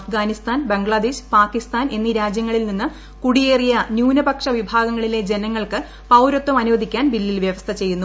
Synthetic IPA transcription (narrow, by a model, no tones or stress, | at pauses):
ɐfɡaːnist̪aːnbe̞ŋɡɭɐd̪eːɕpaːkːist̪aːnʔe̞nːiɾaːd͡ʑjɐŋːɐɭilninːɨ | kuɽijeːrijɐnjuːnɐbɐkʂɐʋibʱaːɡɐŋːɐɭile̞d͡ʑe̞nɐŋːɐɭkɨ | pɐwɾot̪ːumɐnuʋɐd̪ikʲːaːnbilːilʋjɐʋɐst̪ʰɐt͡ɕe̞jːunːu